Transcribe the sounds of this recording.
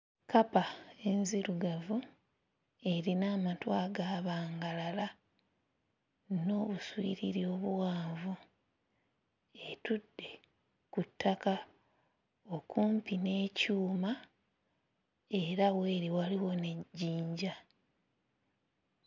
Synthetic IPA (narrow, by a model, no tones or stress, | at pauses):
kapae̞nziɾuɡavu | e̞ɾinaːmatwaːɡaːβaːŋɡalala | no̞ːβuswḭːɾiɾjo̞βuwaːvu | e̞tudːe̞ | kutːaka | o̞kuːmpine̞ːcuːma | e̞ɾawe̞ːɾiwaliwo̞ne̞ɟiːɲɟa